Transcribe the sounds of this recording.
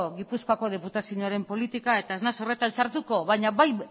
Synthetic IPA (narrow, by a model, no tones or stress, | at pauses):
oɣipuskoako̞ð̞e̞put̪asiuɲoaɾe̞mpo̞lit̪ikae̞t̪aeznaso̞re̞t̪ansaɾt̪uko̞βajɲaβaj